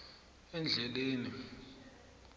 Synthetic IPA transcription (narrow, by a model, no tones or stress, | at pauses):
ɛnd͡ɮʱɛleːni